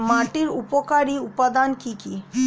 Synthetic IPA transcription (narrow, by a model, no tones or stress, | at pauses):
maʈiɾupokaɾiupad̪ankiki